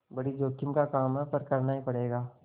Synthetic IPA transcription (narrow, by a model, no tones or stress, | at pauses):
bɐɽid͡ʒoːkɪmkakaːmɦɛpɐɾkɐɾnaɦĩpɐɽeːɡaː